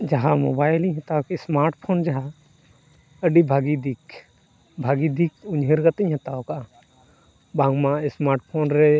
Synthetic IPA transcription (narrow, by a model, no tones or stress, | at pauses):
d͡ʒaɦamo̰baːjlĩɦɛt̪aokismaːɾʈpʰoːnd͡ʒaɦa | əɖibʱaɡid̪ik | bʱaɡid̪ikʊɲɦeɾɡɐt̪əɲɦɛt̪aoka | bãŋmãsmaːɾʈpʰoːnɾɛ